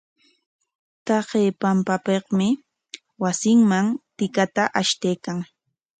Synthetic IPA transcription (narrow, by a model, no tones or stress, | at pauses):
t̪ɑqeːpampapeχmɪ | wasɪŋmaŋt̪ɪkat̪aʔaʃt̪ejkaŋ